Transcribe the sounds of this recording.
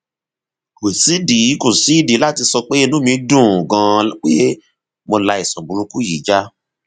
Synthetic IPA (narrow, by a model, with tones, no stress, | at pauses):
we˨si˨˦di˨i˨˦ko˦˨si˨˦i˦˨di˨˦la˦˨ti˧sɔ˧k͡pe˦i˧nũ˦mĩ˧˦dũ˦˨ɡã˧k͡pe˦ | mo˧la˧i˨sɔ̃˨bũ˨ɾũ˧ku˦ji˨˦d͡ʒa˦